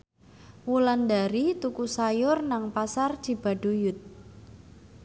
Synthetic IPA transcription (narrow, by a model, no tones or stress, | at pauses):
wuland̪aɾit̪ukusajʊrnaŋpasard̥ʒ̥i̤b̥a̤ɖ̥ojʊt̪̚